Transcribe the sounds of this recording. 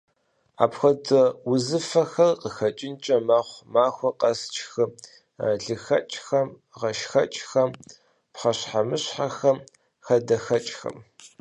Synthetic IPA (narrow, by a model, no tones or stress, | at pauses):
a̰ːpxʷɔdɨwʊzɨfɐxɐrqəxɐt͡ʃʼɪnt͡ʃʼɐmaːχʷmaːxʷɔqɐst͡ʃʰʼxɨ | ɮɨxɐ̰t͡ʃʼxɐm | ʁɐʃxɐt͡ʃʼxɐm | pχɐɕħamɨɕħaxɐm | xɐdɐxɐt͡ʃʼxɐ̰m